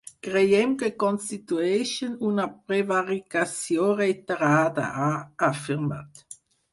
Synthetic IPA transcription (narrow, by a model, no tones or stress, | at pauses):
ɡ̥ʁejɛmkəkɔnstituɛʃənunapʁevaʁikasjoːʁetəʁaːdə̰aafiʁma̰t